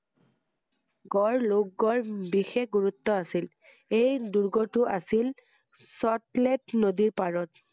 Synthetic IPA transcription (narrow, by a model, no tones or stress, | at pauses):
ɡɔɹlok̚ɡɔɹbixexɡuɹutːɔasil | ejduɹɡɔtʊʔasil | sɔtletnodiɹpaɹɔt̚